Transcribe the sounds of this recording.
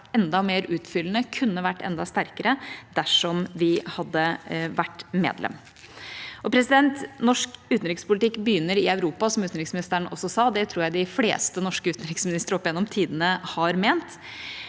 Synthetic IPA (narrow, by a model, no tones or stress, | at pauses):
ɛnd̪ɑmeːɾʉːt̪fʏlːənəkʰʉnːəʋæʈːɛ̰nd̪ɑst̪æɾkəɾəd̪æʂɔmʋɪhɑd̪ːəʋæʈːmḛːd̪lɛ̰m | ʔɔpʰɾɛsɪd̪ɛnt̪nɔʂkʉːt̪n̩ɾɪkspʊlt̪ɪkːbəjʏnːəɾɪœʉɾuːpɑsɔmʉːt̪n̩ɾɪksmɪnɪst̪əəɳʔɔsːɔsɑːd̪ɛt̪ʰɾuːɾjæɪd̪ɪflḛːst̪ənɔʂkəʉːt̪n̩ɾɪksmɪnɪst̪əɾəɔpːɪjɛnːɔmt̪ʰiːd̪ənəhɑɾmeːnt̪